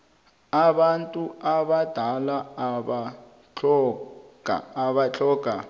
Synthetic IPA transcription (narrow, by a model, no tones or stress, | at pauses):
aɓantʼuaɓad̥ʱalaaɓa | t͡ɬɔɡ̥ʱa̰ːβat͡ɬʼɔɡ̥ʱa